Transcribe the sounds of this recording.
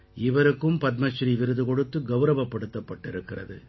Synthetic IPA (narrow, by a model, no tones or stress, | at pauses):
ɪʋɐɾɯkːɯmpɐt̪̚mɐʃɾiʋɪɾɯðɯkɔɽɯt̪ːɯɡɐʋɾɐʋɐpːɐɽɯt̪ːɐpːɐʈːɪɾɯkːɪrɐ̰ðɯ